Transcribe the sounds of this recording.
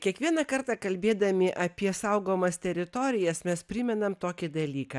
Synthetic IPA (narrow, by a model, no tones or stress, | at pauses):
kʲiɛkʋʲiɛnɐkɐɾt̪ɑkɐlʲbʲeːd̪ɐmʲɪʔɐpʲiɛsɐʊɡoːmɐst̪ʲɛɾʲɪt̪ɔːɾʲɪjɛsmʲɛspʲɾʲɪmʲɛnɐmt̪oːkʲɪd̪ɐlʲiːkɐ